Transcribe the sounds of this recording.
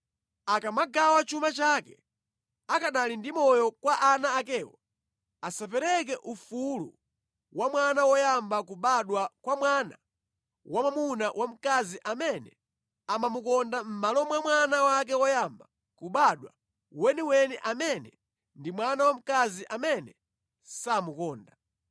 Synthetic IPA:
akamaɡawat͡ʃumat͡ʃaːkɛ | akaɗalindimɔjɔkwaʔanaːkɛːwɔ̰ | asap̬ɛɾɛk̬ɛʔufulṵ | wamwanawɔjambakuɓaɗwakwamwaːna | wamamunawʔam̩kaziʔamɛnɛ | amamukɔndam̩malɔmwamwanawak̬ɛwɔjamba | kuɓaɗwa̰ | wɛniwɛnɛʔamɛnɛ | ndimwanawam̩kaziʔamɛnɛ | samukɔːnda

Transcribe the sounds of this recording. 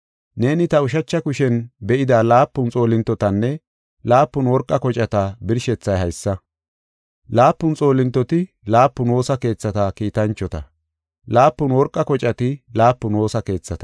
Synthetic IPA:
ne̞ːnɪt̪ɐʊʃ̬ɐt͡ʃːɐkʊʃɛnbɛʔɪd̪aːlaːpːʊnt͡sʼo̞ːlɪnt̪ːɔt̪ɐnːɛ | laːpːʊnwɔɾkʼːɐkɔt͡ʃʼɐt̪ɐbɪɾʃɛt͡sːɐjɦɐjsːɐ | laːpːʊnt͡sʼo̞ːlɪnt̪ːɔt̪ɪ | laːpːʊnwo̞ːsɐke̞ːt͡sːɐt̪ɐkiːt̪ɐnt͡ʃːɔt̪ɐ | laːpːʊnwɔɾkʼːɐkɔt͡ʃʼɐt̪ɪlaːpːʊnwo̞ːsɐke̞ːt͡sːɐt̪ɐ̥

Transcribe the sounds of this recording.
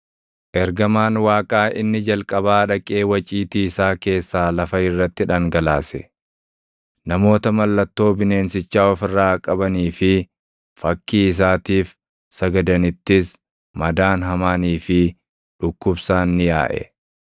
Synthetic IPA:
ʔɛɾɡɐmaːnwaːkʼaːʔɪnːɪd͡ʒɐlkʼɐbaːᶑɐkʼe̞ːwɐt͡ʃʼiːt̪iːɪsaːke̞ːsːaːlɐfɐɪrːɐt̪ːɪᶑɐŋɡɐlaːsɛ | nɐmo̞ːt̪ɐmɐlːɐt̪ːo̞ːbɪne̞ːnsɪt͡ʃːaːɔfɪrːaːkʼɐbɐniːfɪ | fɐkːiːɪs̬aːt̪iːf | sɐɡɐd̪ɐnɪt̪ːɪs | mɐd̪aːnɦɐmaːniːfɪ | ᶑʊkːʊbsaːnːɪja̰ːʔɛ̰

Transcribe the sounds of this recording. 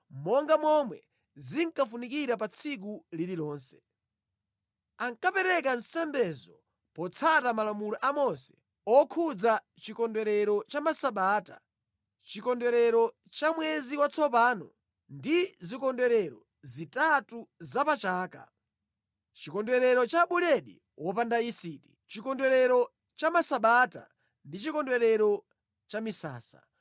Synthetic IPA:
mɔŋɡamɔmwɛ | ziŋkafunikiɾapat͡sʰik̬ulililɔːnsɛ̥ | aŋkapɛɾɛk̬ansɛmbɛzɔ | pɔt͡sʰatamalamulɔʔamɔnsɛ̥ | ɔkʰud͡za | t͡ʃikɔndwɛɾɛɾɔt͡ʃamasaɓaːta̰ | t͡ʃikɔndwɛɾɛɾɔ | t͡ʃamwɛziwat͡sʰɔpaːnɔ̰ | ndizikɔndwɛɾɛɾɔ | zitatuzapat͡ʃaːka̰ | t͡ʃikɔndwɛɾɛɾɔt͡ʃaɓulɛɗḭ | wʔɔpandaisiːti̥t͡ʃikɔndwɛɾɛɾɔ | t͡ʃamasaɓata̰ | ndit͡ʃikɔndwɛɾɛɾɔ | t͡ʃamisa̰ːsa̰

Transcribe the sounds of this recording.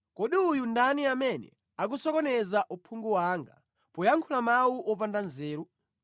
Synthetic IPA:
kɔɗiujundaniamɛnɛ̰ | ak̬usɔkɔnɛzaʔupʰuŋɡuwaːŋɡa̰ | pɔjaŋkʰulamawuʔɔpandanzɛːɾu

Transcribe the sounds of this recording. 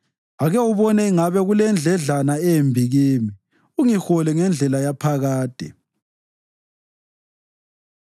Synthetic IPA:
aɣɛuβɔnɛiŋaβɛɣulɛnd͡ɮʱɛɮanaɛjembʱiɣiːmi | uŋixɔlɛŋɛnd͡ɮʱɛlajapʰaɣaːd̥ʱɛ̰

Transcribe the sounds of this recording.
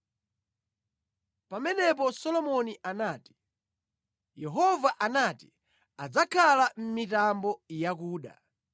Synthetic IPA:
pamɛnɛp̬ɔsɔlɔmɔniʔanaːti̥ | jɛɦɔvaʔanati̥ | ad͡zakʰalam̩mitambɔjak̬uːɗa̰

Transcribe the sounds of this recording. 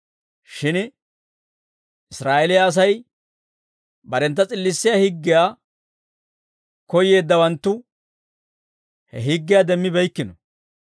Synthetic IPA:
ʃɪn | ʔɪsɾaːʔɛlɪjaːs̬ɐj | bɐɾɛnt̪ːɐt͡sʼɪlːɪsːɪjaːhɪɡːɪjaː | kɔje̞ːd̪ːɐwɐnt̪ːʊ | hɛ̰ɦɪɡːɪjaːd̪ɛmːɪbɛjkːɪnɔ

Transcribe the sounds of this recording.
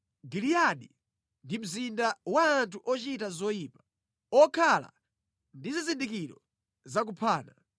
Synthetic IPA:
ɡilijaɗi | ndim̩zindawaːntʰuʔɔt͡ʃitazɔjiːpḁ | ɔkʰala̰ | ndizizindikiɾɔ | zak̬upʰaːna

